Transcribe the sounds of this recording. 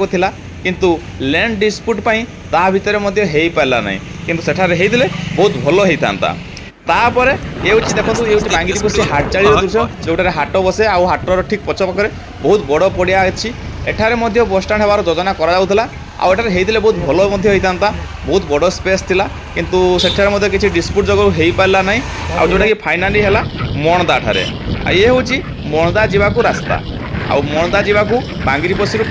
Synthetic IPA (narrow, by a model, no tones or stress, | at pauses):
kut̪ʰila | kint̪u | leɳɖɖispuʈpaĩ | t̪abʱit̪ɔɾemɔd̪ʱjɔɦejpajla̰na̰ḭ̃ | kint̪useʈʰaɾeɦejd̪ilebɔɦut̪bʱɔlɔɦejt̪ʰa̰nt̪a̰ | t̪apɔɾeewt͡ʃʰid̪ekʰɔ̃nt̪ueuwt͡ʃibãŋɡid̪ibɔseɦaʈ̚t͡ʃaɭiɾɔuɾsed͡ʒewʈʰaɾeɦaʈɔbɔseawɦaʈːɔɾɔʈʰik̚pɔt͡ʃʰɔpakɔɾe | bɔɦut̪bɔɽɔpɔɽijat͡ʃʰieʈʰaɾemɔd̪ʱjɔbɔsʈaɽ̃ɦebaɾɔd͡ʒɔd͡ʒɔnakɔɾad͡ʒawt̪ʰila | a̰weʈʰaɾeɦejt̪ʰilebɔɦut̪bʱɔlɔmɔd̪ʱjɔɦejt̪ant̪a | bɔɦut̪bɔɽɔspest̪ʰila | kint̪useʈʰaɾemɔd̪ʱjɔkit͡ʃʰiɖispuʈ̚d͡ʒɔɡɔɾuɦejpaɾlanaɦĩ | a̰wd͡ʒewʈakipʰajnaliɦelamɔɽɔd̪aʈʰa̰ɾḛ | a̰jeɦeũt͡ʃʰi | mɔɽ̃ɔd̪ad͡ʒibakuɾast̪a̰ | a̰wmɔɽ̃ɔd̪ad͡ʒibaku | bãŋɡiɾipɔsiɾu